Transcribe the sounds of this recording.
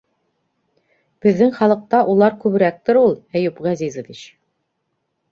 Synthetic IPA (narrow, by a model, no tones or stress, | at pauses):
b̥ɘ̆ðːɘŋχɑlˠɤ̆q̚t̪ɑʔulˠɑɾkʉbɘ̆ɾæk̚t̪ɘɾulˠæjʉpʁæzizɤ̆d̪iɕ